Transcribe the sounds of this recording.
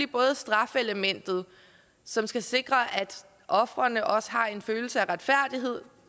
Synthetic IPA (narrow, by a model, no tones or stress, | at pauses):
ib̥ɔ̽ːð̞̩ˠsd̥ʁɑ̈feləmen̰d̥ð̩ˠ | sɒ̽msɡ̥æse̝ɡ̥ʁɐʔæd̥ | ʔɒ̽fʁɐnəʔɒ̽sə̥ɦɑ̈e̝nføːl̩səæʁad̥fæɐ̰d̥iɦe̝ð̞̰ˠ